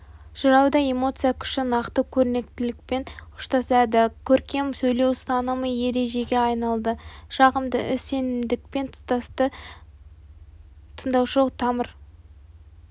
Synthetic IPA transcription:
ʒ̥əɾɑwd̪ɑe̞mo̞t̪sɨjakʲʰʏ̥ʃɪnɑqt̪əkʲʰɵɾne̞k̚t̪ɪlɪk̚pe̞nʊ̥ʃt̪ɑsæd̪ɪkʲʰɵɾkʲe̞msɵjle̞wst̪ɑnəməje̞ɾe̞ʒe̞ɡʲe̞ɑjnɑlˠd̪əʒɑʁəmd̪ə̰ʔɪsːe̞nɪmd̪ɪk̚pe̞nt̪ʰʊ̥st̪ɑst̪ə | t̪ʰənd̪ɑwʃəlˠəq̚t̪ʰɑməɾ

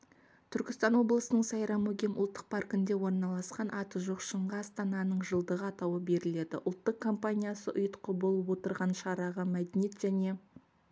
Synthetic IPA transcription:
t̪ʰʏɾkʲɪst̪ɑnwo̞blˠəsənəɴsɑjɾɑmoɡʲemʔʊlˠt̪ːə̥q̚pʰarkɪnd̪e̞wo̞ɾnɑlˠɑsqɑnʔɑt̪əʒoqʃəɴʁɑɑst̪ɑnɑnəɴʒəlˠd̪əʁəɑt̪ɑwəbe̞ɾɪle̞d̪ɪ̰ʔʊlˠt̪ːəqkʰːo̞mpanʲijasəʔʊjət̪qʰəbolˠəpwo̞t̪əɾʁɑnʃɑɾɑʁəmæd̪enije̞t̪ʒ̥æne̞

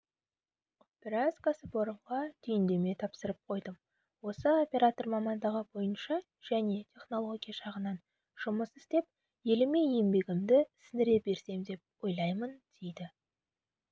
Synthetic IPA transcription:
bɪɾɑzkasəboɾəɴʁɑd̪̥ʰʏjɪnd̪e̞me̞t̪ʰɑpsəɾəp̚qʰo̞jd̪əm | wo̞səo̞pʲe̞ɾat̪o̞rmɑmɑnd̪ɑʁəbo̞jənʃɑ | ʒ̥æne̞t̪ʲʰe̞χno̞lˠo̞ɡʲijaʃɑʁənɑn | ʒ̥ʊməsɪst̪e̞p̚ | je̞lɪme̞jembe̞ɡʲɪmd̪ɪsɪnɪɾe̞be̞ɾse̞md̪e̞p̚wo̞jlˠɑjmənd̪̥e̞jd̪ɪ

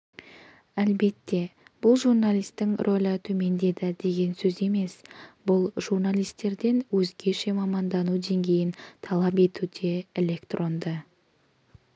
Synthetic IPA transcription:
ælbe̞t̪ːe̞b̥ʊlˠʒurnalʲijst̪ːɪŋrʔo̞lʲət̪ʰɵme̞nd̪e̞d̪ɪd̪e̞ɡʲe̞nsɵze̞me̞sbʊlˠʒurnalʲijst̪e̞ɾd̪e̞nwɵzɡʲe̞ʃe̞mɑmɑnd̪ɑnud̪e̞ŋɡʲe̞jɪnt̪ʰɑlˠɑpe̞t̪ud̪e̞elʲe̞kt̪rʔo̞nd̪ə

